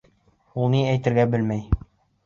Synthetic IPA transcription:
ulˠniæjt̪ɘ̆ɾɡæbɘlmæj

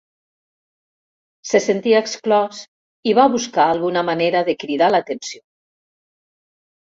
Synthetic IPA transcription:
sesent̪iaeksklɔs | iβaβuskaːlˠɣunamaneɾəðəkɾiðalat̪ensio

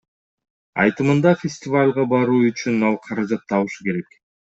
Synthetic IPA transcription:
ɑ̰jt̪ɯmɯnd̪ɑfʲɪsʲtʲɪvalʲʁɑbɑɾuːyt͡ʃynɑlˠqʰɑɾɑd͡ʒɑt̪ːɑβɯʃuke̞ɾe̞k

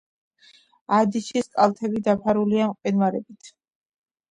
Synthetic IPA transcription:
ad̪iʃiskʼalˠt̪ʰɛbid̪apʰaɾuliamqʼwɛnvaɾɛbit̪ʰ

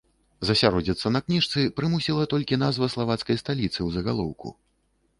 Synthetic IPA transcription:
zɐsʲaɾɔd͡zʲit̪sːɐnɐknʲiʂt̪sɨpɾɨmusʲilˠɐt̪ɔlʲkʲinazvɐslˠavat̪skɐjst̪alʲit̪sɨwzɐɣalˠɔwkṵ

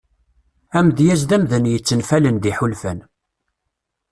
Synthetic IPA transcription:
æmd̪jæzd̪æmðənjət͡sːənfælənd̪iħulfæn

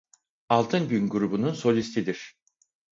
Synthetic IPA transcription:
alˠt̪ʰɯnɟynɡuɾubununso̞lʲist̪ʰid̪iɾ̥

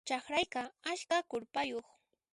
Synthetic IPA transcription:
t͡ʃaχɾajkaaʃkakʊɾpajoχ

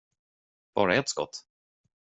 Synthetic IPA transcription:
b̥ɑ̰ːɾaɛt̪skɔ̰t̪ː

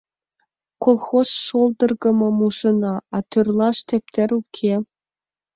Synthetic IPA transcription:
kolˠxosʃolˠd̪ɤ̆rɡɤ̆mɤ̆muʒɤ̆nɑɑt̪ørlˠɑʃt̪ʲĕp̚t̪ʲɘ̆ɾukʲʰe

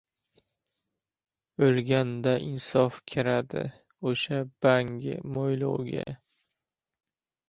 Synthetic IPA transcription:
ɵlɡʲand̪aʔɪnsɒfkʲʰɪɾad̪ɪ̰ | oʃab̥aŋɡʲɪ̰mojlo̰wɡʲa̰

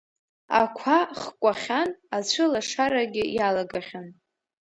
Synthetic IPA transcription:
a̰kʷʰaχkʷʼaχʲanat͡ɕʷʰɨlaʂaɾaɡʲɪjalaɡaχʲan

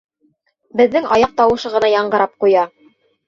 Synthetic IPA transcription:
bɘ̆ðːɘŋɑjɑq̚t̪ɑwɤ̆ʃɤʁɤ̆nɑjɑɴɢɤ̆ɾɑp̚qujɑ

